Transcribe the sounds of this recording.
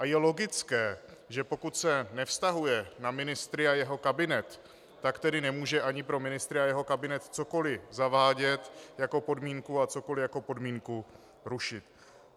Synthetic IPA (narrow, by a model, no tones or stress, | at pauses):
ʔajɛlo̞ɡɪt͡skɛːʒɛpo̞kut̪sɛnɛfst̪aɦujɛnamɪnɪst̪ɾɪajɛɦo̞kabɪnɛt̪ː | akt̪ɛdɪnɛmuːʒɛʔaɲɪpɾo̞mɪnɪst̪ɾɪajɛɦo̞kabɪnɛt̪t͡so̞ko̞lɪzavaːɟɛt̪jakopo̞dmiːŋkuat͡so̞ko̞lɪjakopo̞dmiːŋku | ɾuʃɪt̪